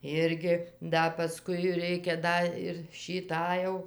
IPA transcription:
ˈɪrʲɡʲɪ ˈdɐ pɐˈskʊɪ ˈrʲɛɪkʲɛ ˈdɐ ɪr ʃʲiː ˈtɑː jɛʊ

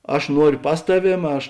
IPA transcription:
ˈɐʃ ˈnuɔrʲoː ˈpɐs tɐˌʋʲeːm ˈɐʃ

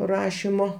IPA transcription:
ˈrɑːʃʲɪmoː

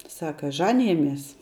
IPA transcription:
ˈsɑːkɐ ˈʒɑːnʲɪjɛmʲiɛs

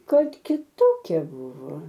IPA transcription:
ˈkɐt kʲɪˈtoːkʲɛ ˈbʊʋoː

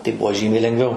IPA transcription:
tɐɪ ˈbuɔ ˈʒʲiːmʲɛɪ lʲɛŋˈɡʋʲɛʊ

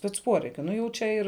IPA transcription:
sʲpʲɛt͡s ˈpuɔrʲɛɪkʲʊ ˈnʊ jɛʊ ˈt͡ʃʲɛ ɪr

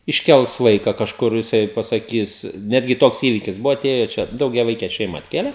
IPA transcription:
ɪʃʲˈkʲɛlˠs ˈʋɐɪkɐ kɐʃˈkʊr jɪˈsɐɪ pɐsɐˈkʲiːs ˈnʲæːdʲɡʲɪ ˈtoːks ˈiːʋʲɪkʲɪs ˈbʊʋoː ɐˈtʲeːjoː ˈt͡ʃʲɛ dɐʊɡʲɛˈʋɐɪkʲɛ ˈʃʲɛɪmɐ ɐtʲˈkʲeːlʲɛ

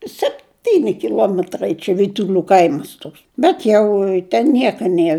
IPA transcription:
sʲɛpʲˈtʲiːnʲɪ kʲɪˈlˠuɔmʲɛtrɐɪ t͡ʃʲɛ ʋʲiːtʊˈlʲuː ˈkɐɪmɐs ˈtoːks ˈbʲɛt jɛʊ tʲɛn ˈnʲiɛkɐ ˈnʲiɛr

